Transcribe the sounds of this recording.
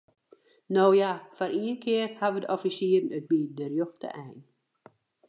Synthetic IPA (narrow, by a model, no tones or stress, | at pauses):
noːjafɔɾʔiːənkʰɪərhaʋədəʔɔfisiəɾənət̚bidərjoxtə̰ʔɛjn